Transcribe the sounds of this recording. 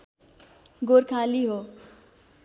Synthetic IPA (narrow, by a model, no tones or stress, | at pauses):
ɡoɾkʰaliɦo